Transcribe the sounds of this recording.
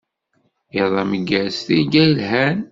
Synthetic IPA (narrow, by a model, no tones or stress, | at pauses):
iðˤɑməɡæsθiɡælɦæn